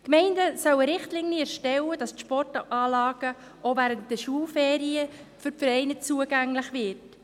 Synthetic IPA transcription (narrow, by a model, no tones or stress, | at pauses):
kmɛɪndəsœwəɾɪχtliŋniɛɾʃtɛwəd̥ɑstʃpɔrtʔɑːlɑːɡ̥ə | ʔovæɾəntd̥ɛʃuːlfɛːɾiəfʏɾfɛɾɛɪnət͡suəɡæŋlɪχvɪɾt